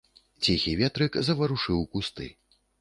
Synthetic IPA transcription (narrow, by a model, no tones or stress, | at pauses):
t͡sʲixʲivʲɛt̪ɾɨkzɐvɐɾuʂɨwkust̪ɨ̰